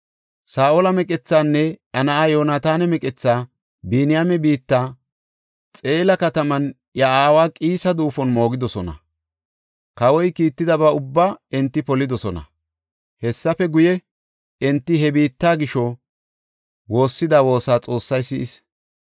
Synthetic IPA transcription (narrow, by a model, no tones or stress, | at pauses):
saːʔolɐmɛkʼɛt͡sːaːnːɛɐnɐaːjo̞ːnaːt̪aːnɛmɛkʼɛt͡sːaː | binɪjamɛbiːt̪ːaː | t͡sʼe̞ːlɐkɐt̪ɐmɐn | jɐʔaːwaːkʼiːsɐd̪uːfɔnmo̞ːɡɪd̪ɔsɔnɐ̰ | kɐwɔjkiːt̪ːɪd̪ɐbɐʊbːaːɛnt̪ːɪpɔlɪd̪ɔsɔnɐ̰ | hɛsːɐfɛɡʊjɛ | ɪnt̪ːɪɦɛbiːt̪ːaːɡɪʃɔ | wo̞ːsːɪd̪aːwo̞ːsaːt͡sʼo̞ːsːɐjsɪʔɪs